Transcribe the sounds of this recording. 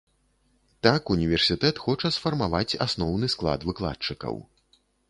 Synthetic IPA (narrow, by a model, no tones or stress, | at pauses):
t̪akunʲivʲɛrsʲit̪ɛt̪xɔt͡ʂɐsfɐrmavat͡sʲa̰snɔwnɨsklˠa̰d̪vɨklˠa̰t͡ʂɨkɐ̰w